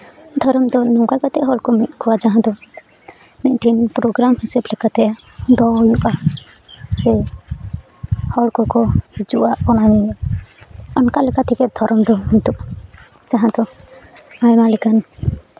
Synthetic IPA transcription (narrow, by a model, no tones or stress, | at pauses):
d̪ʱɔɾɔmd̪ɔnɔŋkakat̪ʰɛʔɦɔɭkɔmit̪̚kʰuwad͡ʒaɦãd̪ɔ | nɛʔʈinpɾoɡɾamhsɛblɛkat̪ɛad̪ɔjuʔa | sɛ | hɔɭkɔkɔd͡ʒuʔaɔñawi | ɔnkalɛkat̪ʰikɛd̪ʱɔɾɔmd̪ɔmit̪uʔ | d͡ʒaɦãd̪ɔ | ajmalikan